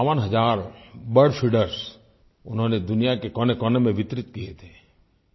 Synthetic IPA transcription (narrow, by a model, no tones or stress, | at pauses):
ʋənɦɐd͡ʒaːɾbəɾɽɖfʰiɖəɾs | ʊnɦõːned̪ʊnijakekɔːnekɔnemẽʋɪt̪ɾɪt̪kiet̪ʰeː